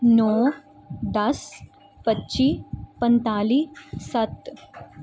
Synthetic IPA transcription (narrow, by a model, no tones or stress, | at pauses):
nɔ | d̪əs | pətːɕiːpənt̪aliːsət̪